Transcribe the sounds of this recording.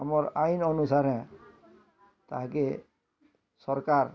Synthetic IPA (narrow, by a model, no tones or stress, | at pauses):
amɔɾajnɔnusaɾɛ̃ | t̪ake | sɔɾkaɾ